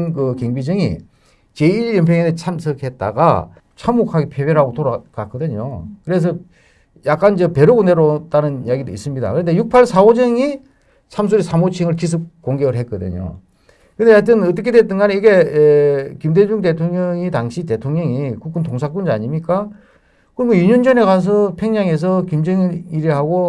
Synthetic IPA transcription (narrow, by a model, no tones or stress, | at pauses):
nkɯkeŋbid͡ʑɯŋḭ | t͡ɕe̞iljʌnp̬ʰeŋenet͡ɕʰamsʰɯkʰet̚t͈a̰ɡa̰ | t͡ɕʰamːokʰaɡepʰebeɾaɡotoɾakak͈ɯdɯɲo̰kɯɾe̞s̬ʰʌ | jak͈and͡ʑʌpe̞ɾuɡuneɾot͈anɯnjaɡidoḭs͈ɯmɲida̰kɯɾʌnde̞juk̚pʰaɭsʰaod͡ʑɯŋi | sʰams̬ʰuɾisʰamot͡ɕʰiŋɯɭkis̬ʰɯk̚k͈oŋɡeɡɯɭɦe̞k͈ɯd̪ɯ̰ɲo̰ | kɯndejatʰɯnʌt͈ʌkʰedwet͈ɯnɡaniɡe̞ | kimde̞d͡ʑuŋte̞tʰoŋɲʌŋitaŋɕʰite̞tʰoŋɲʌŋikuk͈ɯntoŋsʰak̬͈und͡ʑia̰ɲimɲik͈a | kɯmoiɲund͡ʑʌne̞kas̬ʰʌpʰe̞ŋɲaŋe̞s̬ʰʌkimd͡ʑɯŋiiɾeɦaɡo